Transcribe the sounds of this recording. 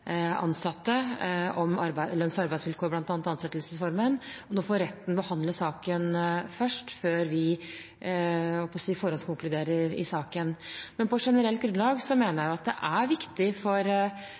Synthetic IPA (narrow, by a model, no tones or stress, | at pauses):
ɑ̰nsɑt̪ːəɔmɑɾbæɪlœnsɑɾbæɪsʋɪlkʰoːɾblɑnt̪ɑnt̪ɑnt̪sɛt̪ːlsəsfɔɾmənɔnoːfoːɾɛt̪ːn̩bəhɑnd̪ləsɑːkənfœʂʈføːɾʋɪ | hɔpʰɔsiːfɔɾɔlskʰʊŋklʉd̪eːɾəɾɪ̰sɑːkənmɛnpʰɔʂɛnəɾɛlt̪ɡɾʉnlɑːɡsɔmeːnəjæjʊɑt̪̚d̪ɛ̰ʔæɾʋɪkt̪ɪfɔɾ